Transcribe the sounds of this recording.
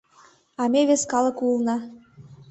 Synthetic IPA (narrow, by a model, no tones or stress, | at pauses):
ɑmeβeskɑlˠə̆kulnɑ